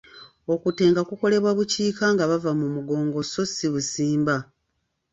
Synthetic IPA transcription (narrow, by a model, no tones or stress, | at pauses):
o̞kute̞ːŋɡakuko̞le̞βwaβuciːkaŋɡaβavamumuɡo̞ːŋɡo̞so̞siβusiːmba